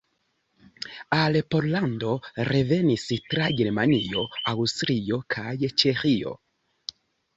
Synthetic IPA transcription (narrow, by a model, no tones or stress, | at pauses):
alpo̞ɾlando̞ɾe̞ve̞nistɾaɡe̞ɾmanio̞awstɾio̞kʰajt͡ʃe̞xio̞̰